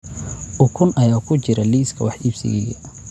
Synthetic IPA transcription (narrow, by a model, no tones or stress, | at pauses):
ʔʊkʰʊnʔɐjaːkʰʊt͡ʃɪɾɐliːskʰɐwɑħibsɪ̰ɡɛ̰ljɐ̰